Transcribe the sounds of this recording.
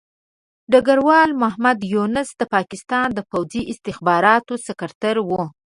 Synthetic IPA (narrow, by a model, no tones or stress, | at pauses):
ɖaɡaɾwɑlmaɦmad̪junɪsd̪əpɑkɪst̪ɑnd̪əpawziʔɪst̪ɪxbɑɾɑt̪osɪkaɾt̪aɾwu